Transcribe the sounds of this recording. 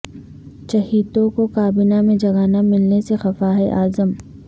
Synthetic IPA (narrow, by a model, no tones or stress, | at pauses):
ʃɐɦiːt̪õkokaːbɪnamẽd͡ʒɐɡaːnamɪlnesexɐfaɦɛʔaːzəm